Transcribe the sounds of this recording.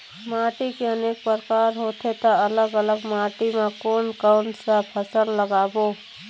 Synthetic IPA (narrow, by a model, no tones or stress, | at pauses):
maːʈikeəneːk̚pəɾkaːɾɦoːt̪ʰet̪aɐləɡələɡmaːʈimãkoːnkaːnsapʰəsəɾləɡaːboː